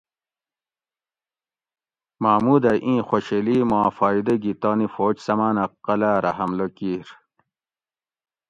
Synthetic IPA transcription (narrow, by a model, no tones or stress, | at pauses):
maːmuːd̪aʔĩːxoɕeliːmɑ̃ːfɑːid̪ɐɡit̪ɑːnifoːt͡ɕsɐmaːnɐqɐlaːɾɐhɐmlokiːɾ